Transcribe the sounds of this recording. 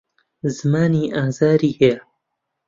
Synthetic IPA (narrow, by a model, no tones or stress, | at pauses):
zɨmaːniːʔaːzaːɾiːhe